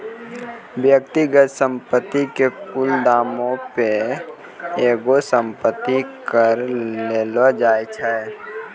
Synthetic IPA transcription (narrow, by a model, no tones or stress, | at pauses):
bjək̚t̪iɡət̪sə̃mpət̪ːikepuld̪aːmõpe | eːɡosə̃mpət̪ːikəɾleːlad͡ʒaːjt͡ʃʰɛ